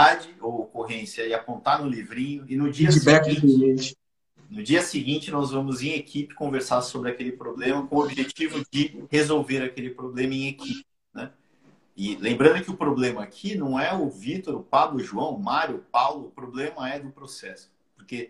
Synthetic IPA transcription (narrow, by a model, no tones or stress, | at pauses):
ad͡ʒɪookoɦẽsjɐɪapõnt̪aɾnʊlivɾĩɲʊɪnʊd͡ʒiɐisbɛkĩiẽt͡ʃ | nʊd͡ʒiɐsɪɡĩnt͡ʃɪnɔzvɐ̃mʊzẽekʰipɪ̥kõveɾsaɾsobɾɪakelɪpɾoblẽmɐkõobiʒet͡ʃivʊd͡ʒɪhezowveɾakelɪpɾoblẽmɐẽj̃ekʰipɪnɛ | ɪlẽmbɾɐ̃nd̪ʊkɪʊpɾoblẽmɐːkʰinɐ̃w̃ɛʊvit̪oɾʊpablʊɪʒuɐ̃w̃ʊmaɾjʊpawlʊːpɾoblẽmɐɛd̪ʊpɾosɛsʊ̥ | poɾke